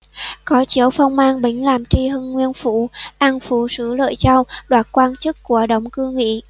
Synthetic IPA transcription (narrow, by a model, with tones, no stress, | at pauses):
kɔ˨˦t͡ɕi˧˩əwfə˧wŋ͡mmaː˧nɓï˧˩ŋ̟laː˨˩mt͡ɕi˧ɦɨ˧nŋwi˧ənfṵ˧˩˨ʔa˧nfṵ˧˨sɨ̰˧˥lə̰ː˧˨jt͡ɕa˧wɗwaː˨˩t̚kwaː˧nt͡ɕɨ˦˥kːu˧˩əɗə̰˧˨wŋ͡mkɨ˧ŋḭ˧˥